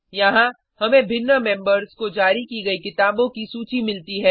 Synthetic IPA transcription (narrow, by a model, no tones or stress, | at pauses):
jɐɦã | hɐmẽbʱɪnːəmɛ̃ːmbəɾskod͡ʒaːɾikiɡɐikɪt̪aːbõkisuːt͡ʃimɪlt̪iɦɛː